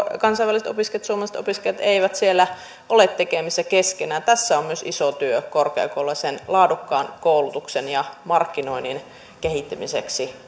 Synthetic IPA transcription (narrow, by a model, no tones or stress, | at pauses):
kɑnsɑiʋæliset̪o̰piskelɑt̪suomɑlset̪o̰piskeljɑt̪eiʋæt̪sielːæ | ʔolet̪tekemisːækeskenæːt̪æsːæommyøsḭsot̪yøkorkḛɑ̰kolːɑsenlɑːdukːɑːnkoulut̪uksenjɑmɑrkːinoinin | kehit̪ːæmisḛksi